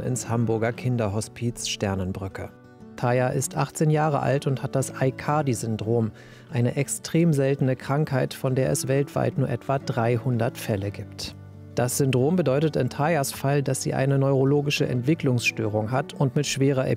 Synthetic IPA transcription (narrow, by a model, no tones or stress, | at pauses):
ɪ̰nshambʊɐɡɐkʰɪndɐɦɔspʰiːt͡sʃtɛɐnənbʁʏkʰə̰ | tʰajaʔɪstʔaχt͡seːnjaːʁə̰ʔa̰ltʊnthat̚d̥asaɪkʰaːdizʏndʁoːm | ʔaɪnəʔɛkstʁ̥eːmzɛltn̩əkʁ̥aŋkhaɪtfɔndeːɐʔɛsv̥ɛltv̥a̰ɪtnuːɐʔɛtv̥adʁaɪhʊndɐtfɛləɡiːpt | d̥asz̥ʏndʁoːmbədɔʏtətɪntʰajasfaldasz̥ḭːʔa̰ɪnənɔʏʁoloːɡɪʃəʔɛ̰ntv̥ɪklʊŋsʃtøːʁ̞ʊŋɦatʰʊntmɪtʃv̥eːʁ̞ɐʔɛ̰